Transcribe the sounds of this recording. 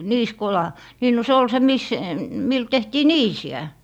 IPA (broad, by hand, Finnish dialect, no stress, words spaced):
niːskolɑ niː no se ol se mis mil tehtiː niːsiæ